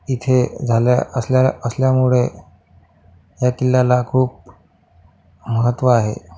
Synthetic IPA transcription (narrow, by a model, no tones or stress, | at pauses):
it̪ʰed͡zʱalja̰əsljaəsljamuɭe | jakilːalakʰuːp̚ | məɦət̪ːʋəaɦḛ